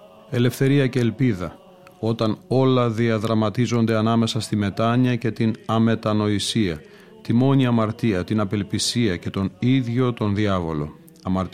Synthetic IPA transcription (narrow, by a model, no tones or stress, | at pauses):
e̞le̞fθe̞ɾiɐce̞ːlpiðɐ | o̞t̪ɐno̞lɐðiɐðɾɐmɐt̪izo̞nd̪e̞ɐnɐme̞sɐst̪ime̞t̪ɐɲiɐce̞t̪inɐme̞t̪ɐno̞isiɐ | t̪imo̞ɲiɐmɐɾt̪iɐt̪inɐpe̞lpisiɐce̞t̪o̞niðʝo̞t̪o̞nðiɐvo̞lo̞̰ | ɐmɐɾt̪